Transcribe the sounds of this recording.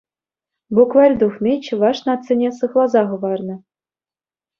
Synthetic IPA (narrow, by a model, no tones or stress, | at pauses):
bukvɑrʲd̪uχnit͡ɕɤ̆ʋɑʂnɑt̪t͡sɘ̆nʲesɤ̆χlˠɑzɑʁɤ̆vɑrnɤ̆